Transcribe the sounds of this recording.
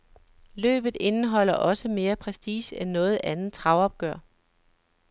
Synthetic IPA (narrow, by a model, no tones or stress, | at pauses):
lø̰ːb̥ð̞̩ˠe̝nəɦɒ̽l̰ɐʔɒ̽səme̝ːɐpʰʁɛsd̥ḭːɕenːɔ̽ːð̞̩ˠʔænð̩t͡sʰʁɑ̈ʊɒ̽b̥̚ɡ̥ɶɐ̰